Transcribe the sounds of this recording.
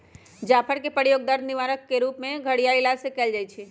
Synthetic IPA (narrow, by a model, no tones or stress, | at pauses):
d͡ʒaːpʰəɾkepəɽjoːɡ̚d̪əɾd̪niʋaːɾəkːeɾuːpmẽɡʱəɽijailasekɛːld͡ʒaːjt͡ʃʰɛ